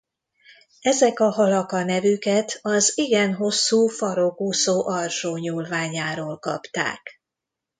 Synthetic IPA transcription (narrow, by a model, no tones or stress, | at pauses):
ɛzɛkɒɦɒlɒkɒnɛvykɛt̪ɒziɡɛnɦo̞sːuːfɒɾoɡusoːʔɒrʃoːɲuːlvaːɲaːɾoːlkɒ̰pt̪a̰ːk